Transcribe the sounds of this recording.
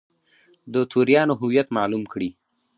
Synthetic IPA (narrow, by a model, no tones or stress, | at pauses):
d̪ət̪ʰuɾjɑnoɦʊwijat̪mɑlumkɽi